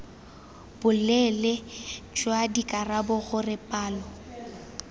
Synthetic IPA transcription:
b̥ʊlɛlɪd͡ʒwadikʼarabʊɣʊrɪpʼaːlɔ

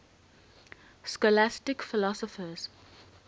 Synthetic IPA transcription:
skɔlastɪkfɪlɔsɔfəz̥

